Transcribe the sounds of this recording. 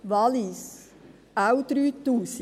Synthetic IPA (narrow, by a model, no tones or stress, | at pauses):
ʋɑlis | awt̪ɾyt̪uːs